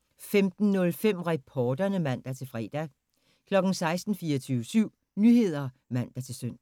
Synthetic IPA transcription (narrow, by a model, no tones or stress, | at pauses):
femd̥n̩nɔ̽lfem̰ʁɛpʰɒːd̥ɐnəmæn̰d̥æt͡sʰe̝lfʁɛ̰ːd̥æ | kʰlɒ̽ɡ̥n̩sɑ̈ɪsd̥n̩fiːɐt͡sʰyːʊʋəsyʊ̰ | nyhe̝ð̞̰ˠɐmæn̰d̥æt͡sʰe̝lsøn̰